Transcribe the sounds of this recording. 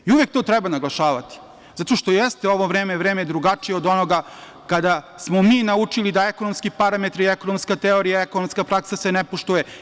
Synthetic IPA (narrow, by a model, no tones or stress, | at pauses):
iuʋek̚t̪ot̪ɾɛbanaɡlˠaʃaːʋat̪i̥ | zat̪o̞ʃt̪o̞jest̪eo̞ʋo̞ʋɾeːmeʋɾeːmed̪ɾuɡat͡ʃijeo̞d̪o̞noɡa | kad̪a | smo̞miːnaut͡ʂilid̪aekono̞mskipaɾamet̪ɾieko̞nomskat̪eo̞ɾijaekonomskapɾaksasenepoʃt̪uje